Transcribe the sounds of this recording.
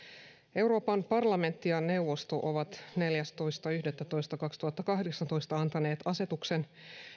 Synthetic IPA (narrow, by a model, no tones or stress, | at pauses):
e̞wɾo̞ːpɑmpɑrlɑme̞nt̪ːijɑne̞uʋo̞st̪oʔoʋɑt̪ne̞ljæst̪o̞jst̪ɑyhdet̪ːæt̪o̞ist̪ɑkɑkst̪uhɑt̪ːɑkɑɦdeksɑnt̪o̞jst̪ɑɑnt̪ɑneːt̪ɑse̞t̪ukse̞n